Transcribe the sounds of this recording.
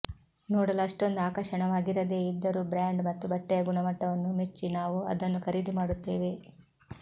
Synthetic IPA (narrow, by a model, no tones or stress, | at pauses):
noːɽɐlɐʂʈo̞nd̪aːkɐʃɐɳɐʋaːɡiɾɐd̪e̞ːid̪ːɐɾuːbɾaːɳɖmɐt̪ːubɐʈːɛjɐɡuɳɐmɐʈːɐʋɐnːumet͡ʃːinaːʋuɐ̰d̪ɐnːukʰɐɾiːd̪imaːɽut̪ːeːʋe̞